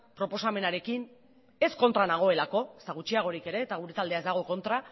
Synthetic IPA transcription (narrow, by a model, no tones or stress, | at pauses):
pɾo̞po̞same̞naɾe̞kin | e̞sko̞nt̪ɾanaɣ̞o̞e̞lako̞est̪aɣ̞ut͡ʃiaɣ̞o̞ɾike̞ɾe̞ːt̪aɣ̞uɾe̞t̪ald̪e̞aezd̪aɣ̞o̞ko̞nt̪ɾa